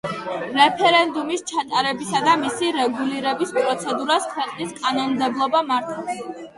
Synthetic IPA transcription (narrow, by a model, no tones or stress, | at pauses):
ɾɛpʰɛɾɛnd̪umist͡ʃʰat̪ʼaɾɛbisad̪amisiɾɛɡuliɾɛbispʼɾɔt̪sʰɛd̪uɾaskʰwɛqʼniskʼanɔnmd̪ɛblˠɔbamaɾt̪ʰas